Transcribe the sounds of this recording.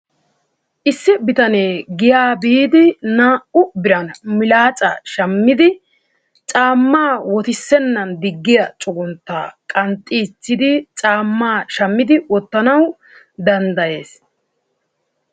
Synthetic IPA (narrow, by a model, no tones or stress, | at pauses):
ʔɪsːɪbɪt̪ɐneːɡɪjaːbiːd̪ɪnaːʔʊbɪɾɐnmɪlaːt͡sʼɐ̰ʃɐmːɪd̪ɪ | t͡ʃʼaːmːaːwɔt̪ɪsːɛnːɐnd̪ɪɡːɪjɐt͡ʃʼʊɡʊnt̪ːa̰ːkʼɐnt̪ʼːit͡sːɪd̪ɪt͡ʃʼaːmːaːʃɐmːɪd̪ɪwɔt̪ːɐnɐw | d̪ɐnd̪ɐje̞ːs